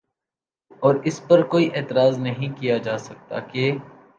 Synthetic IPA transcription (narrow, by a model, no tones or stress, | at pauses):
ɔːɾɪspɐɾkoːiʔeːt̪ɪɾaːznɐɦĩkijad͡ʒaːsɐk̚t̪a̰ke